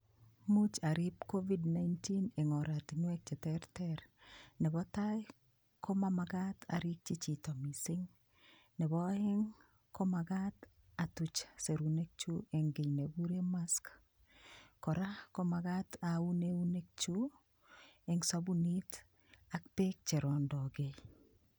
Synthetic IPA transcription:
mut͡ʃaɾɪp̚kovidnajntineŋɔɾatnwɛk̚t͡ʃɛtɛɾtɛɾnɛbɔta | kʰomamaɡatʰa̰ɾik̚t͡ʃit͡ʃitɔmisɪŋ | nɛbɔɛŋ | komaɡat | atut͡ʃseɾunek̚t͡ʃueŋɡɪɲnebuɾemask | kɔɾakomaɡatauneunek̚t͡ʃu | eŋsabunit | ak̚pek̚t͡ʃeɾɔndɔɡe

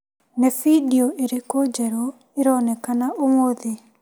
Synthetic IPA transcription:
nefidiɔʔeɾekod͡ʒɛɾɔ | eɾɔnɛkanaʔomoðe

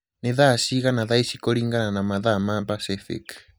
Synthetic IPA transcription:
neðasiɣanaðajsikoɾiŋɡananamaðamabasefḛk

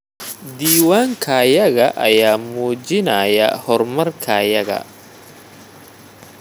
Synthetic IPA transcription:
d̪iːwaːŋkʰɐjɐɣɐʔɐjaːmuːd͡ʒɪnɐjɐ̰hɔrmɐrkʰɐjɐɣɐ̰

